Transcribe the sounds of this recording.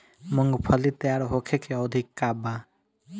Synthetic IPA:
mʊŋɡpʰəlit̪jaːɾɦokʰekʰeɔwd̪ʱɪkːaːba

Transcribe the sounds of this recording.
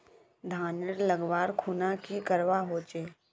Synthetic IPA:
d̪ʱaːnəɾləɡʋaːɾkʰuːnakikəɾʋaɦoːt͡ʃeː

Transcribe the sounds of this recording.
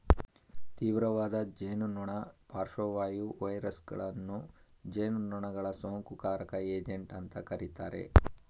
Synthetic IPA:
t̪iːʋɾɐʋaːd̪ɐd͡ʒeːnunuɳɐpaːɾʂoʋaːjuʋɐjɾɐsɡɐ̰ɭɐnːud͡ʒeːnunːuɳɐɡɐɭɐsoːŋkukaːɾɐkɐeːd͡ʒeɳʈɐnt̪ɐkɐɾit̪aːɾe̞̰

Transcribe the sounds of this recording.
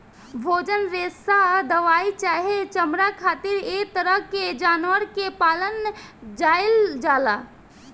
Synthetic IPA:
bʱoːd͡ʒənɾeːsad̪əʋaːit͡ʃaːɦet͡ʃəmɾakʰaːt̪iɾet̪əɾəɦked͡ʒaːnʋəɾkepaːlənd͡ʒaːɪld͡ʒaːla

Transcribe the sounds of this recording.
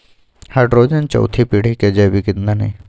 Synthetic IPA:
hɐʈɾoːd͡ʒɐnt͡ʃɐ̰wt̪ʰipiɽ̤iked͡ʒɐbikɪnd̪an̰ː

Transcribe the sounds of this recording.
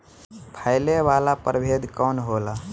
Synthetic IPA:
pʰaːɪleʋaːlapəɾbʱed̪kɔːnɦoːla

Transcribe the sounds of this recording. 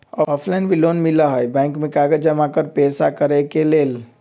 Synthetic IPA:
ɔɔpʰlajnbilonmiləɦəjbɛ̃ɪŋkmẽkaɡəd͡ʒəmakəɾpɛsakəɾɛkelel

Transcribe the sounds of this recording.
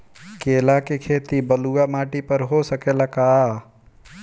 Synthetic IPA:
keːlakekʰeːt̪ibɐluamaːʈipɐɾɦosɐkeːlakaː

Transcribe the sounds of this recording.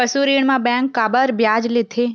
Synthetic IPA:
əsuɾiːɽ̃mãbɛ̃ːŋkːaːbəɾbjaːd͡ʒlɪt̪ʰe

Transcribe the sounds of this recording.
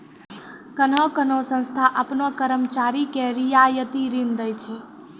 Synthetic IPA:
kənɔkənosə̃nst̪ʰaʔəpnokəɾəmt͡ʃaɾikeɾijajət̪iɾĩnd̪əjt͡ʃʰe

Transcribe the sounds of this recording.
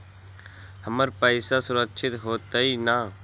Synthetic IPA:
həməɾpəɪsasʊɾəkʃʰɪt̪ɦoːt̪ainaː

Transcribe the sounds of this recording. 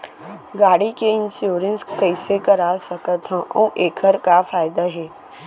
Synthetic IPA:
ɡaːɽikeɪ̃nsjoːɾə̃nskəɪsekəɾasɐkət̪ɦɛ̃ʔõːʔeːkʰəɾkafaːɪd̪aɦɛː

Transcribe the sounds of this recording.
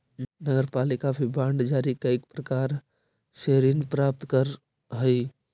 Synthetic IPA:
nəɡəɾpaːlɪkabʰʱibaːɳɖd͡ʒaːɾikəɪkpɾəkaːɾ | seɾinpɾaːp̚t̪kəɾ | ɦəi

